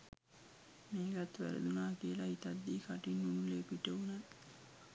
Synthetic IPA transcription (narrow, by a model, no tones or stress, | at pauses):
meːɡat̪ːʋæ̰ɾə̰d̪unaːkiəlait̪ɐd̪ːiːkaʈinːunuleːpiʈəuna